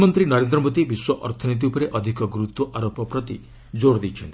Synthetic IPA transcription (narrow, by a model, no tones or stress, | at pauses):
mɔnt̪ɾinɔɾend̪ɾɔmod̪ibiswɔʔɔ̰ɾt̪ʰɔnit̪̬iupɔɾeʔɔd̪ʱikɔɡɾut̪wɔʔaɾopɔpɾɔt̪i | d͡ʒoɽd̪it͡ʃʰɔnt̪ii̥